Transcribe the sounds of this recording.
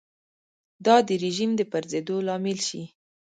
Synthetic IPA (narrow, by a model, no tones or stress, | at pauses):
d̪ɑd̪əɾɪʒimd̪əpaɾzed̪olɑmɪlʃi